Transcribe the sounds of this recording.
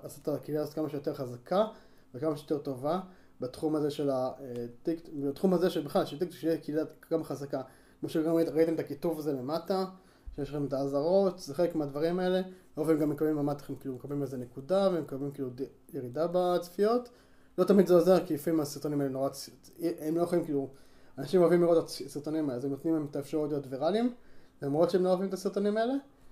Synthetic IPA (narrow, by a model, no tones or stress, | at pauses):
asat̪akiliazot̪kamaʃejot̪e̞ʁχazaka | vekamaʃejoteʁt̪o̞va | bat̪χumaze̞ʃe̞latiktt̪χumazeʃelbeχlalʃeltikt̪ʃejɛkilaɡ̥amχazaka | kmoʃeɡamʁaitemet̪akituvazele̞mata | ʃejɛʃlaχemet̪aːzaʁo̞t̪z̥eχelekmeadvaʁimae̞le̞ | ovemɡamːekablimamat̪ḁχemkiːlumekablimlezenekudaveemekavimkiːlud | jeʁidabat͡sfijo̞t̪ | lo̞tamid̪zeoze̞ʁkiefimasiʁt̪onimaelenoʁat͡s | emloχaimkiːlu | anaʃimavimjeʁotasiʁt̪onimaelzemnot̪nimmet̪aefʃaʁotjotviʁalimlamʁo̞t̪ʃeemloavimet̪asiʁt̪onimae̞le̞